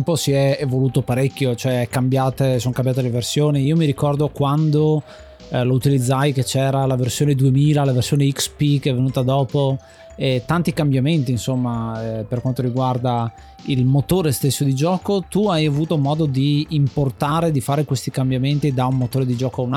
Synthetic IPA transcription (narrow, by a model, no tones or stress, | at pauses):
mposiɛːvoluːt̪opaɾekʲːjot͡ʃoɛɛkːambjaːt̪esoːŋkambjat̪eleversjoːniiːomiɾikɔrd̪okwand̪o | lout̪ilid̪zːajket͡ʃɛːɾalaversjoːned̪uemiːlalaversjoːneikspikeɛvːenuːt̪ad̪ɔːpo | ɛt̪ant̪ikambjament̪iːnsomːaperkwant̪oɾiɡward̪a | ilmot̪oːɾest̪esːod̪id͡ʒɔːkot̪uajavuːt̪omɔːd̪od̪iːmport̪aːɾed̪ifaːɾekwest̪ikambjament̪id̪aummot̪oːɾed̪id͡ʒɔːkoaun